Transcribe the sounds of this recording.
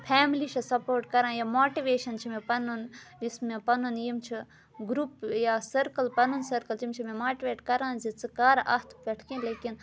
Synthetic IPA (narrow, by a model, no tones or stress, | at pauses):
pʰɛːmliʃʰɐsɐpoːɾʈkɐɾãːjamoːʈiʋeːʃɐnt͡ʃʰimepɐnunismepɐnunjimt͡ʃʰi | ɡɾupjaːsɐɾkɐlpɐnunsɐɾkɐlt͡ʃimt͡ʃʰimẽmaːʈiʋeːʈkɐɾãːzit͡sɨkaːɾɐht̪ʰpɐʈʰkẽːleːkin